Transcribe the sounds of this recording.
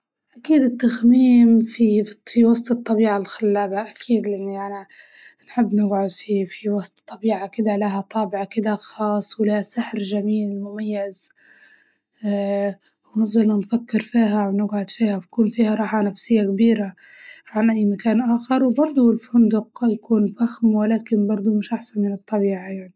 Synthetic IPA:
ʔakiːd̪ɪt̪ːaxmiːmfifiwɑsˤt̪ɨt̪ˤːɑbiːʕalxalːaːbaʔakʰiːd̪lɪʔɪnːiʔʔana | nħɪbːnɪɡʕʊd̪fifiwɑsˤt̪t̪ˤːɑbiːʕakɪd̪alaɦat̪ˤɑːbɪʕakɪd̪axɑːsˤwlahasaħɾʒamiːlmʊmajːɪz | wnɪfðˤɑlanfakːɪɾfiːɦawnɪɡʕʊd̪fiːhawkuːnfiːhaɾˤɑːħanafsɪjːakbiːɾa | ʕanʔajːmakaːnʔaːxɑɾˤwbɑɾˤd̪ˤuɪlfʊnd̪ʊqjakʰuːnfaxmwɪlaːkɪnbɑɾˤd̪ˤumɪʃʔaħsanmɪnɨt̪ˤːɑbiːʕajaʕni

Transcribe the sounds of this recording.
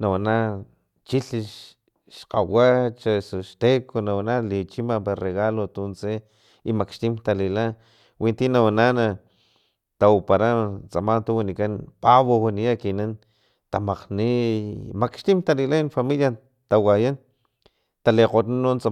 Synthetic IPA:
nawana | t͡ʃiɬiʃ | ʃqawat͡ʃasoʃt̪ekʰonawanalit͡ʃimapareɣalot̪unt͡se | imakʃt̪imt̪alila | wint̪inawanana | t̪aupaɾat͡samant̪uwinikanpaβowaniakinan | t̪amaqnimakʃt̪imt̪alilainfamilja | t̪awajan | t̪aleqotnanont͡sa

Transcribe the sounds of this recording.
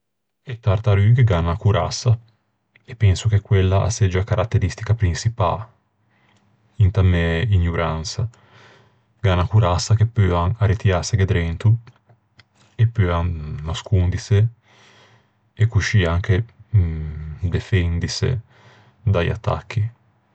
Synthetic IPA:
et̪ːart̪aɾykeɡanːakuɾʔa̰sːa | epːɛnsuk̟ekːwelːaa̰sːɛd͡ʒakaɾʔat̪ːeɾist̪ikapɾinsipa̰ | int̪ameiɲːuɾansa | ɡanakuɾasːakepːyaarit̪iaseɡed̪ɾɛnt̪u | epːyanaskund̪ise | ekːuʃiaŋke | d̪efɛnd̪isḛ | d̪aja̰t̪ːa̰k̟ːi

